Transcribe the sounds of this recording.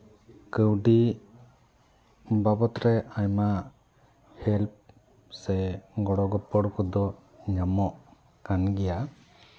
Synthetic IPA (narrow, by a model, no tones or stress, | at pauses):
kəwɖi | babɔt̪ɾɛaɲma | hɛlp̚ | sɛɡɔɽɔɡɔpɔɽkɔd̪ɔ | ɲamɔʔ | kanɡɛja